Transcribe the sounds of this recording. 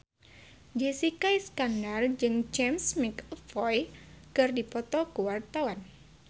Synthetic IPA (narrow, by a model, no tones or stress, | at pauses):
d͡ʒesikajskandard͡ʒɨŋd͡ʒɛmsmikfɔjkɨrdipɔt̪ɔkuwart̪awan